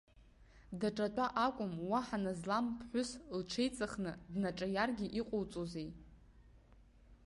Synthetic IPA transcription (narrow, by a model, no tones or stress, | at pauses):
daʈ͡ʂʼatʷʼaʔakʷʼʊmwaħanazlampʰħʷʊslʈ͡ʂʰe̞jt͡sʼaχnɨdnaʈ͡ʂʼajarɡʲiʔiqʷʼowt͡sʼozej